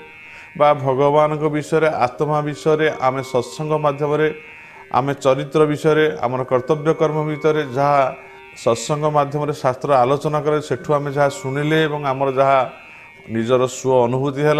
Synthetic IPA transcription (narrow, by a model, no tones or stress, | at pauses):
babʱɔɡɔbanɔŋkɔbisɔjɔɾeat̪mabisɔjɔɾeʔamesɔsɔŋɡʱɔmad̪ʱjɔmɔɾe | a̰met͡ʃɔɾit̪ɾɔbisɔjɔɾea̰mɔɾɔkɔɾt̪ɔbjɔkɔɾmɔbʱit̪ɔɾed͡ʒaɦa | sɔsɔŋɡʱɔmad̪ʱjɔmɔɾesast̪ɾɔalot͡ʃɔnakɔɾeseʈʰuamed͡ʒaɦasuɽ̃ileːbɔŋamɔɾɔd͡ʒaɦa | nid͡ʒɔɾɔsuɔːnubʱut̪iɦela